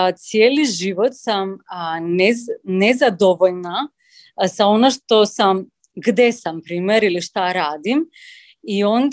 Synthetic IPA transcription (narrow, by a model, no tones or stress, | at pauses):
t̪sjeːliʒiʋot̪samnenezad̪oʋoʎna | zaonaʃt̪osam | ɡd̪esampɾiːmeɾiliʃt̪aɾaːd̪im | iond̪